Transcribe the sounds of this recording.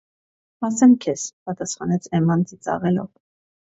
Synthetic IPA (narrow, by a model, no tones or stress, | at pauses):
ɑsɛmkʰɛspɑt̪ɑsχɑnɛt͡sʰɛmɑnt͡sit͡sɑ̰ʁɛlɔ̰v